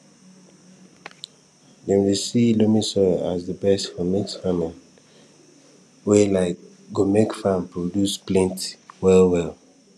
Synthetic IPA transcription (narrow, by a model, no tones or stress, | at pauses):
dɛ̃nwisilomisɔazðəbɛstfɔmɛksfamɛ̃n | welaɪk | ɡomekfãmpɹodjusplĩntwɛlwɛl